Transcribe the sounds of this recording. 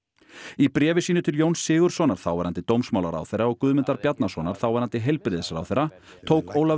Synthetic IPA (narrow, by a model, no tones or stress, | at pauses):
ipɾɛːvɪsiːnʏt̪ʰɪljownsːɪːɣʏɾ̥sɔnaɾ̥θawɛɾant̪ɪt̪owmsmawlaɾa̰wθejɾaɔɣkʏðmɪnt̪aɾpjat̪nasɔnaɾ̥θawɛɾant̪ɪɦejlpɾɪðɪsaɾa̰wθejɾːa | t̪ʰoːwkoːwla